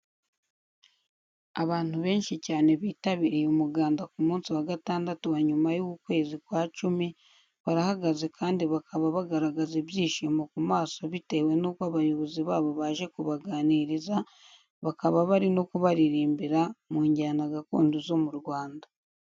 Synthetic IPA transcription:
aβaːn̥uβe̞ːnʃicaːne̞βiːtaβiɾijumuɡaːndakumuːnsiwaɡataːndatuwaɲumajuɡukwe̞ːzikwaːt͡ʃumi | βaɾahaɡaze̞kʰaːndiβakʰaβaβaɡaɾaɡazebjiːʃiːmo̞kumaːso̞βite̞we̞nuːkwaβajo̞βo̞ziβaːβo̞βaːʒe̞kuβaɡaːniɾiza | βakaβaβaɾino̞kuβaɾiɾiːmbiɾamuːɲɟanaɡako̰ːnduzo̞muɾɡwaːnda

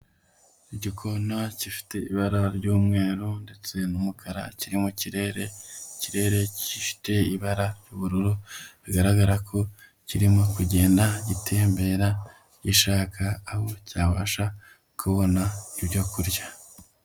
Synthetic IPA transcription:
iɟikʰo̞nacifi̥te̞iβaɾaɾɟuːmŋe̞ːɾunde̞t͡se̞numukʰaɾa̰ciɾimociɾeɾeciɾe̞ɾe̞cifi̥te̞iβaɾaɾjuβuɾuɾuβiɡaɾaɡaɾakʰo̞ | ciɾimokuɟe̞ːndaɟitʰe̞ːmbe̞ːɾa | ɟiʃaːkʰaːho̞caːβaʃa | kʰuβo̞naiβɟo̞kuɾja

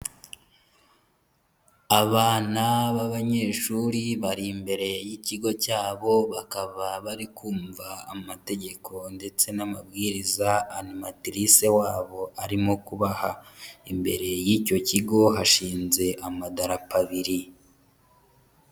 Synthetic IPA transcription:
aβaːnaβaβaɲe̞ːʃuɾiβaɾimbe̞ɾe̞jiciɡo̞caːβo̞βakaβaβaɾikʰuːɱva̰ːmate̞ɟe̞kʰo̞nde̞t͡se̞namabɡiːɾizaanimatɾise̞waːβo̞aɾimo̞kuβahaimbe̞̰ɾe̞jiːco̞ciɡo̞ɦaʃiːnze̞ʔamadaɾapaβiɾi

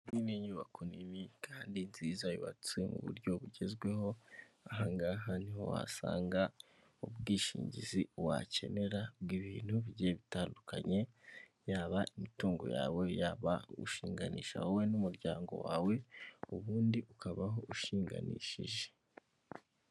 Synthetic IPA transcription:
niniɲuβakuniβikʰaːndinziːzajuβa̰t͡siwemṵβṵɾɟo̞βuɟe̞zɡwe̞ho̞ | aɦaŋɡaɦaniho̞̰wa̰sa̰ːŋɡa | ubɡiːʃḭːɲɟiziwa̰ce̞̰ne̞ɾabɡiːβin̥huβiɟeβitaːndukaɲe̞ | jaːβaʔimituːŋɡo̰ja̰ːwe̞jaːβaṵʃiːŋɡanḭːʃa̰howenumuɾɟaːŋɡo̞̰waːwe̞uβuːndiʔukaβaɦo̞uʃiːŋɡa̰nḭːʃḭʒe̞̥

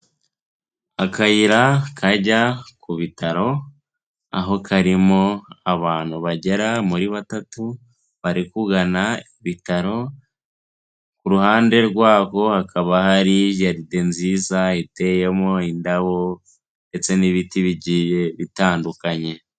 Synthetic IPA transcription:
akajiɾakʰaɟakuβitaɾo̞ | a̰ɦo̞kʰaɾimo̞aβaːn̥huβaɟe̞ɾamuɾiβatatu | βaɾikuɡanaiβitaɾo̞ | kuɾuhaːnde̞ɾɡwaːko̞hakʰaβahaɾiʒaɾide̞nziːzaite̞je̞mo̞indaβo̞ | nde̞t͡se̞niβitiβiɟije̞βitaːndukaɲe̞

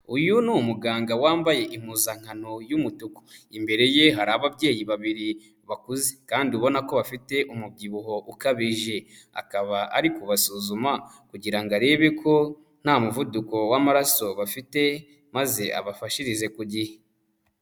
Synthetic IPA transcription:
ujunumuɡaːŋɡawaːmbaje̞ʔim̥uzaŋ̥hanojumutuko̥imbe̞ɾe̞je̞ɦaɾaβabɟe̞ːjiβaβiɾi | βakuzekaːndiuβo̞nako̞βafite̞ʔumub̚ɟiβuɦo̞ʔukaβiʒe̞ | a̰kaβaʔaɾikuβasuzuma | kuɟiɾaŋɡaɾe̞βekʰo̞ | n̥hamuvuduko̞wamaɾaso̞βafite̞ | maze̞ʔa̰βafaʃiɾize̞kuɟihe

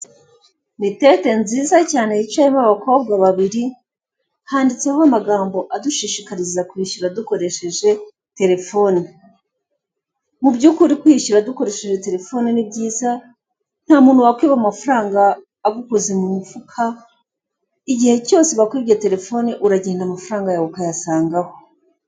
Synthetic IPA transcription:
nitete̞nziːzacaːne̞it͡ʃaimaβako̞b̚ɡaβaβiɾi | haːndit͡sehoamaɡaːmbo̞ʔaduʃiʃikaɾizakwiːʃuɾaduko̞ɾe̞ʃe̞ʒe̞ | te̞ɾe̞fo̞ni | mubɟuːkuɾikwiʃuɾaduko̞ɾe̞ʃe̞ʒe̞te̞ɾe̞fo̞ːninibɟiːza | n̥haːmuːn̥huwakwiːβamafaɾaːŋɡaː | ɡukozemumufukʰa | iɟihe̞co̞ːse̞βakoɾiβjete̞ɾe̞fo̞ːniʔuɾaɟeːndamafaɾaːŋɡajaβukajasaːŋɡaho

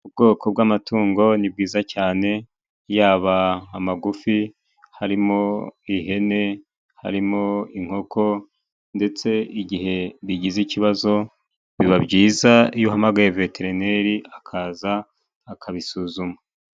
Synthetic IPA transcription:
ub̚ɡo̞ːko̞b̚ɡamatuːŋɡo̞nib̚ɡiːzacaːne̞ | jaːβaːmaɡufi | haɾimoiɦe̞ne̞ | ha̰ɾimoiŋ̥ho̞kʰo̞ | nde̞t͡se̞iɟiɦe̞βiɟiziciβazo̞ | βiβabɟiːzajuɦamaɡaje̞ve̞tʰe̞ɾine̞ɾiakʰaːzaː | kʰaβisuːzuma

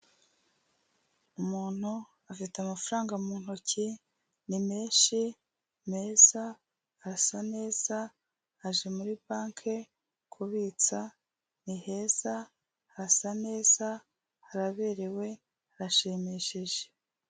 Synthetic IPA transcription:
umuːn̥hu | afitamafuɾaːŋɡamuːn̥hoci | nimeːnʃi | me̞ːz̥a | ɾasane̞ːz̥aː | ʒe̞muɾipaːŋkʰe̞ | kʰuβiːt͡sa | nihe̞z̥aː | ɾasane̞ːz̥a | haɾaβeːɾewe̞ | aɾaʃiːmiʃiʒe̥

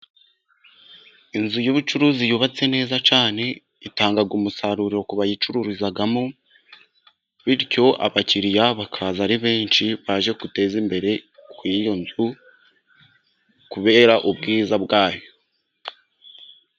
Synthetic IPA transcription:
inzujoβut͡ʃuɾuzijuβat͡se̞ne̞ːzat͡ʃaːne̞ | itaːŋɡaɡumusaɾuɾiɾo̞kuβajit͡ʃuɾuɾizaɡamo | βiɾco̞ʔa̰βaciɾijaβakʰazaɾiβe̞ːnt͡ʃiβaʒe̞kute̞ːzimbe̞ɾe̞kwijo̞nzu | kuβe̞ːɾaʔubɡiːzabɡaːjo

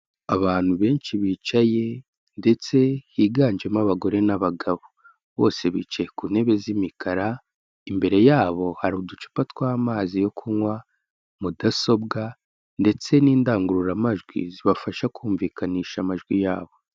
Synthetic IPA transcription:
aβaːn̥huβe̞ːnʃiβiːt͡ʃaje̞ | nde̞t͡se̞hiːɡaːɲd͡ʒemaβaɡo̞ɾe̞naβaɡaβo | βo̞̰ːse̞βḭːt͡ʃajekuːne̞βe̞zimikʰaɾa | imbe̞ɾe̞jaːβo̞haɾuːdut͡ʃu̥patwaːmaːzijo̞kʰuŋwa | mudaso̞bɡa | nde̞t͡se̞niːndaːŋɡuɾuɾamaʒɡwḭziβafaʃakuːɱviːkaniːʃamaʒɡwijaːβo̞

